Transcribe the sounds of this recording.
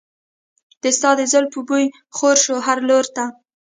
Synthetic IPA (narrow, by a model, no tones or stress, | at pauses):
d̪̥əst̪ɑd̪əzəlpəbuj | xoɾʃoɦaɾloɾt̪a